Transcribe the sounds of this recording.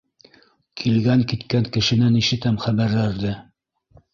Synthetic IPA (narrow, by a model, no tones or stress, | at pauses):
kʰilɡæŋkit̪kæŋkɘ̆ʃɘ̆næniʃɘ̆t̪æmχæβæɾlæɾðɘ